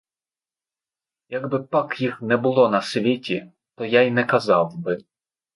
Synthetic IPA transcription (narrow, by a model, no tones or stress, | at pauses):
jɐɡbɪpakjixnɛbʊlˠɔnɐsʋʲitʲi | t̪ɔjajnɛkɐzɑwbɪ